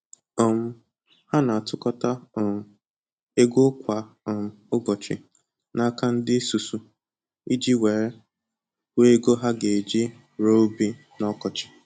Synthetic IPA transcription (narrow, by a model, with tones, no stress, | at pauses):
ɔ˨m̩˦ | ha˦na˨tʰʊ˦kɔ˦ta˦˨m̩˨ | e˦ɡʷo˦kʷa˨m̩˨ʊ˦ɡɔ˨t͡ʃɪ̰˨ | na˦ka˦n̩˦dɪ˦su˨su˨ | i˦d͡ʒi˦we˨ɾe˦ | we˦e˦ɡo˦ɦa˦ɡe˨d͡ʒi˦ | ɾo˦bi˦ | nɔ˦kɔ˨t͡ʃɪ̥˨